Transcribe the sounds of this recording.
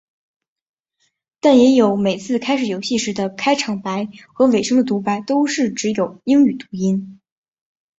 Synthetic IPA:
t̪a˥˩njɛ˧˥jo˧˥ʊme˨˩ɪt͡sʰɹ̩˥˩kʰa˥ɪʂɻ̩˨˩jo˧˥ʊɕi˥˩ʂɻ̩˧˥d̪ə˧kʰa˥ɪʈ͡ʂʰɑ˧˥ŋpa˧˥ɪxɤ˧˥we˨˩ɪʂɤ˥ŋd̪ə˨t̪̬u˧˥pa˧˥ɪt̪o˥ʊʂɻ̩˥˩ʈ͡ʂɻ̩˧˥jo˨˩ʊi˥ŋy˨˩t̪u̥˧˥i˥n

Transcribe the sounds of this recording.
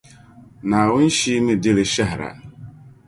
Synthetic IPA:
na˨a˨wʊ˦n̩˦ʃi˦mɪ˦dɪ˦ɾɪ˦ʃa˦ɦɾa̰˨

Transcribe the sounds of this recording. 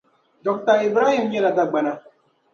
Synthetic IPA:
dɔ˨k̚t̪ɐ˦ɾi˨bɾaː˦ɦi˦mje˦la˨d̪a˦˨ɡ͡bɐ˨na˨

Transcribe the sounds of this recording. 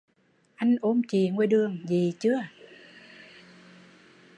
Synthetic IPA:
ʔa˧jŋ̟ʔo˧mt͡ɕi˨˩ŋwe˧ɗɨ˨˩əŋzi˨˩t͡ɕɨ˨˦ə

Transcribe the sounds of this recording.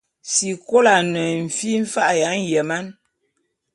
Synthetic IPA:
si˨ko˦la˨nə˨ɱ̩˨fi˦m̩˦fa˦ʔja˨˦n˦jə˨ma˦n

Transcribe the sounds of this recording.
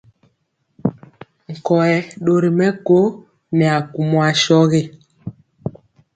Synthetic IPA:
ŋ̩˨kɔ˨ɛ˨ɗo˨ɾi˨mɛ˦ko˦ | nɛ˨a˨ku˨mwa˨ʃɔ˦ɣe˦

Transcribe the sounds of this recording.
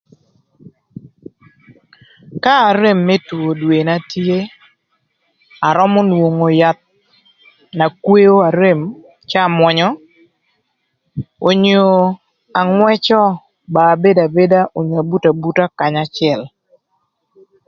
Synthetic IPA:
kaː˦˨ɾe˦mːe˦tu˨o˨dwe˨na˦tje˦ | a˨ɾɔ˦mɔ˦nwo˨ŋo˨ja˨t̪̚ | na˨kwe˦o˦a˨ɾe˦m | t͡ʃa˦˨mwɔ˨ɲɔ˦ | o˨ɲo˨ | a˨ŋwɛ˦t͡ʃɔ˦ | baː˨be˦da˨be˦da˦ʔo˨ɲa˨bu˦ta˨bu˦ta˦ka˨ɲa˦t͡ʃɪɛ˨l

